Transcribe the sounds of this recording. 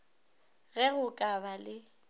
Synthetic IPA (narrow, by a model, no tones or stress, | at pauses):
ɣɛɣʊkʼabalɪ